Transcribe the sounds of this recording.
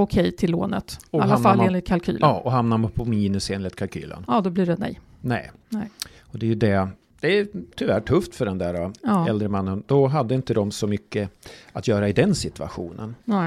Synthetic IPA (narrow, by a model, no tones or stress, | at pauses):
ʊkʰɛjt̪ʰɪlːo̰ːnə̰t̪ɔalhːafalːeːnɪt̪̚kʰalkʰy̰ːlɑːʔɔɦamnampʰɔmiːnɵseːnlɪt̪kʰalkʰy̰ːlə̰nɑd̪ɔbliːɖɛnɛ̰j | nɛ̰ː | ɔd̪ɛjɵd̪ɛ | d̪̥ɛæt̪ʰʏvæʈʰɵft̪fœɖɛnd̪æːɾaɑɛld̪ɾəmanːənd̪̥ɔɦad̪ːəɪnt̪əd̪ɔmsɔmʏkːəat̪ʰjœːɾaɪd̪ɛnsɪt̪ɵa̰ɧṵːnə̰n